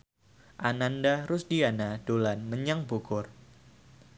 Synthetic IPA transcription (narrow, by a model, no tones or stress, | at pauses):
ʔanandaɾʊsdianad̥olanməɲaŋbukʊr